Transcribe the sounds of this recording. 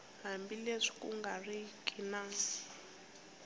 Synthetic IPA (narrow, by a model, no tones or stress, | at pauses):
ɦambileʂi̥kuŋɡarikʼinaːsi